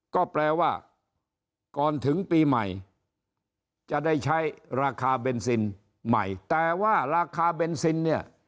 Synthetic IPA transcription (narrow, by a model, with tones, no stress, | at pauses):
kɔː˥˩plɛː˧waː˥˩ | kɔː˨˧nt̪ʰɯ˩˦ŋpiː˧ma̰˨˩j | t͡ɕa˨˩da˥˩jt͡ɕʰa˦˥jɾaː˧kʰaː˧be˧nsi˧n | ma̰˨˩jt̪ɛː˨˩waː˥˩ɾaː˧kʰaː˧be˧nsi˧nːi˥˩ɐ